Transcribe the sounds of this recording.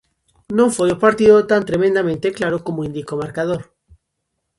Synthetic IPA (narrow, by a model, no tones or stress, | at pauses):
nõɱfejopaɾt̪iðot̪ant̪ɾemẽnd̪amẽnt̪eklaɾokomoĩnd̪ikomaɾkað̞oɾ